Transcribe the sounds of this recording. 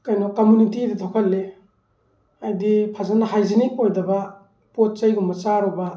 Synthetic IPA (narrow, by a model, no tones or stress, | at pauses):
kajnɔkːomunitiditʰokʰɐlːe | ajdipʰazanːɐɦajzinikojdɐbɐ | pot̚t͡ʃajɡumɐt͡ʃaɾɔbɐ